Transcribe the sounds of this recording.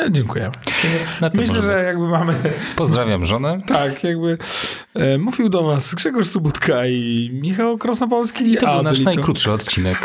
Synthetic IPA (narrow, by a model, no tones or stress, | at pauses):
d͡ʑɛŋkujɛ̰t̪ɛɡɔnapmɛɘɕlɛʐɛjaɡ̚bɘmamɘpɔzd̪ɾavʲjamʐɔnɛt̪akjaɡ̚bɘ | muvʲiwd̪ɔvasɡʐɛɡɔʂsubut̪kʰaimʲixawkɾɔsnɔp̬ɔlskʲit̪ɔanaʂlʲinajkɾut̪ʂɨɔt̪t͡ɕinɛk